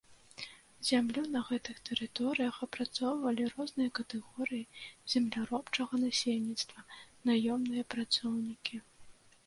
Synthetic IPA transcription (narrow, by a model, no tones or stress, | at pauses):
zʲamlʲunɐɣɛt̪ɨxt̪ɛɾɨt̪ɔɾɨjɐxɐpɾat̪sɔwvɐlʲiɾɔznɨjɐkɐt̪ɛɣɔɾɨjizʲɛmlʲaɾɔpt͡ʂɐɣɐnasʲelʲnʲit̪st̪vɐnajɔmnɨjɐpɾat̪sɔwnʲikʲi